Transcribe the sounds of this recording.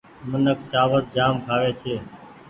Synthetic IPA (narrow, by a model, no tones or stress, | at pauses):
mənəkt͡ʃaːʋəɾ̚d͡ʒaːmkʰaːʋeːt͡ʃʰeː